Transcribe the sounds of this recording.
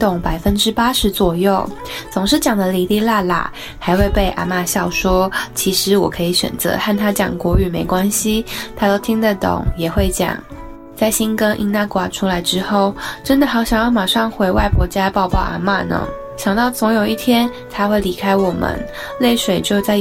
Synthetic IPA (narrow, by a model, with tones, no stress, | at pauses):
t̪ʊ˨˩ŋpa˨˩ɪfə˦nʈ͡ʂɻ̩˥pa˥ʂɻ̩˧˥t͡swɔ˨˩jo˥˩ʊ | t͡sʊ˨˩ŋʂ̬ɻ̩˥˩t͡ɕjɑ˨˩ŋd̪ə˦li˨˥li˥˧la˥˧la̰˨˩ | xa˧ɪxwe˥˧ɪpe˥˩ɪʔa̰˧˥ma˥˧ɕjɑ˥˩ʊʂwɔ˥t͡ɕʰi˧˥ʂɻ̩˧˥wɔ̰˨˩kʰɤ˧˥i˧˩˥ɕɥɛ̰˨˩nt͡sɤ̰˧˦xa˥˩nt̪ʰa˥t͡ɕjɑ̰˨˩ŋkwɔ˧˥y˨˩me˧˥ɪkwa˥nɕi˨t̪ʰa˥t̪o˥ʊt̪ʰi˥ŋd̪ə˨t̪ʊ̰˨˩˦ŋjɛ˨˩xwe˥˩ɪt͡ɕjɑ̰˨˩˦ŋ | t͡sa˥˩ɪɕi˥nkə˥ŋʔḭ˧˥ŋna˥˩kwa˨˥˩ʈ͡ʂʰu˥la˧˥ɪʈ͡ʂɻ̩˥xo˥˩ʊʈ͡ʂə˥nd̪ə˨xɑ˧˥ʊɕjɑ˨˩ŋjɑ˥˩ʊma˨˩ʂɑ˥˩ŋxwe˧˥ɪwa˥˧ɪpʰwɔ˧˥t͡ɕja˥pɑ˥˧ʊpɑ˥˩ʊʔa̰˧˥ma̰˥˧nə̰˧˦ | ɕjɑ˨˩ŋt̪ɑ˥˩ʊt͡sʊ˧˥ŋjo˨˩ʊi˥˩t̪ʰjɛ˥n | t̪ʰa˥xwe˥˩ɪli˧˥kʰa˥ɪwɔ˨˩mə̰˦n | le˥˩ɪʂwe˨˩ɪt͡ɕjo˥˧ʊt͡sa˥˧ɪ